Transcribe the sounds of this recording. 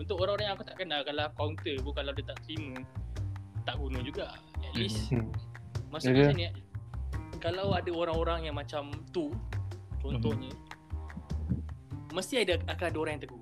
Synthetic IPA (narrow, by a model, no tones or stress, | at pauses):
unt̪ʊkoɾãŋoɾaŋjãŋakut̪aʔkənalkalahkawnt̪əbukalawdat̪aʔt̪ɾimə | t̪aʔɡunəd͡ʒuɡa | ɛt̪lis | məsikasnʔ | kalawadaoɾaŋoɾaŋjaŋmat͡ʃamt̪u | t͡ʃɔnt̪ɔhɲə̃ | məst̪iadaakaadaoɾaŋjãŋt̪əɡu